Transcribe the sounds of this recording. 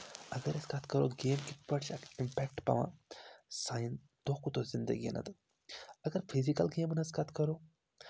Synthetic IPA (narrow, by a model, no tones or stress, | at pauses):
ɐɡɐɾɐskat̪kɐɾoːɡeːmkipɐɽʃakimpɛkʈpɐ̰ʋã̰ | saːjin | t̪oːkut̪ozind̪ə̰ɡḭnʔɐ̰t̪ | ɐɡəɾpʰizikɐlɡeːmnɐskat̪kɐɾoː